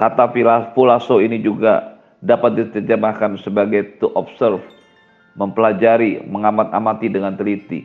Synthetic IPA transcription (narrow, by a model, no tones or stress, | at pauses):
kat̪afilafulasoinid͡ʒuɡa̰ | dapat̪̚dit̪ərd͡ʒəmakansəbaɡajt̪uʔɔpsərf | məmpəlad͡ʒaɾiməŋamat̪̚a̰mat̪idəŋant̪əlit̪ḭ